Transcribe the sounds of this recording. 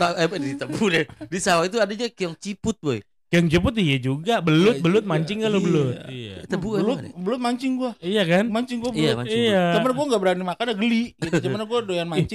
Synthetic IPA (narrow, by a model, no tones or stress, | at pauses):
t̪aɛbdit̪əbudɛdisawait̪uadaɲakijɔŋt͡ʃipʊt̪̚ɡui | kəjɔŋt͡ʃəp̬ʊt̪ijad͡ʒuɡabəlʊt̪̚bəlʊt̪̚maɲt͡ʃɪŋɡalobəlʊt̪ḭəbuəlʊt̪bəlʊt̪̚maɲt͡ʃɪŋɡuaijakanmaɲt͡ʃɪŋɡuabiaaɲijaamanɡuaŋɡaʔbəɾanimakanaɡəliɡit̪t͡ʃəmanaɡuadojanmat͡ʃɪ